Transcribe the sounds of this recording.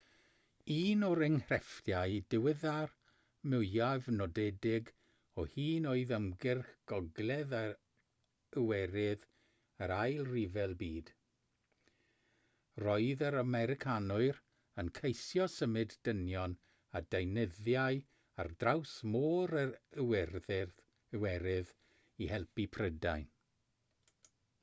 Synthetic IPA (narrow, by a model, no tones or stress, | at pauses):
iːnɔɾɪŋhrɛftjaɨdɪwɪðar | mɪavnɔdɛdɪɡ | ɔhiːnoːɨðəmɡɪrxɡ̥ɔɡlɛða | əwɛɾɪð | əɾajlˠrivɛlˠbiːd̥ | rɔɨðəɾamɛɾɪkʰanʊɨɾ | ənkʰejsjɔsəmɨddənjɔn | adejnɪðjaj | a̰rdrawsmoːɾəɾəwɛrðɪr | əwɛɾɪð | ihɛlˠpipʰrəda̰jn